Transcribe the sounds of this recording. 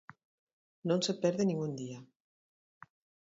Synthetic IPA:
nonsepɛɾðenĩŋɡund̪ia

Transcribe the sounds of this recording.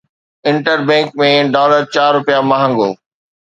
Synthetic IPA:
ɪ̃ɳʈəɾbɛ̃ːŋkmẽɖɔːləɾt͡ɕaːɾːʊpijamaːɦə̃ŋɡoː

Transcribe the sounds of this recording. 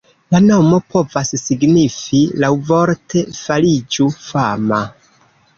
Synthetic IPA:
lano̞mo̞pʰo̞vasːiɡnifilawvo̞ɾtʰe̞falid͡ʒufama

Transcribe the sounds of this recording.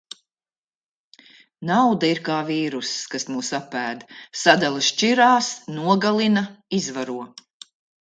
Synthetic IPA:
nawd̪aiɾkaːviːɾuskasmuːsapæːd̪sad̪alˠʃt͡ʃiɾaːsnuɔɡalˠinɐizvaɾuɔ

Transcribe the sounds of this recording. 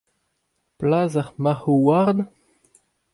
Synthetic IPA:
plaːzaʁmahowaʁd̪

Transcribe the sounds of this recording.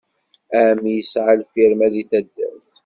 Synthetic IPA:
æmijəsʕalfiɾmæðiθæd̪ːæ̰θ

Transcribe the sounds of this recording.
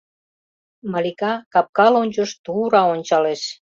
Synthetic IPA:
mɑlʲikɑkɑp̚kɑlonʲt͡ɕŏʃt̪uɾɑonʲt͡ɕɑleʃ

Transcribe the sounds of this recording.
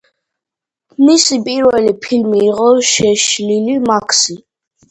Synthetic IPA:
nisipʼiɾvɛlipʰilmiːʁʼɔʃɛʃlilimakʰsi

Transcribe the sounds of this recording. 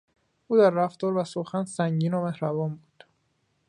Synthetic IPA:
ʔuːd̪æɾːæft̪ɒːɾvæsoxænsæŋɟiːnomehɾævɒːnbuːd̪̥

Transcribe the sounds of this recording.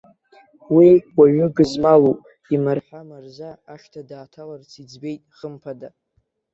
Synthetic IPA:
wiwaɥʏɡɨzmalopʼ | imarħʷamarzaːʃtʰadaːtʰalart͡sʰid͡zbe̞jtʼχəmpʰada

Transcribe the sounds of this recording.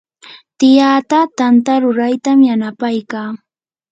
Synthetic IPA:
t̪ɪjaːt̪at̪ant̪aɾʊɾajt̪amjanapajkaː

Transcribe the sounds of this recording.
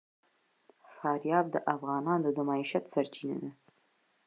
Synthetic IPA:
fɑːɾjɑːb̚d̪əʔafʁɑːnɑːnd̪əd̪umaːiʃat̪saɾt͡ʃʰina̰nɐ

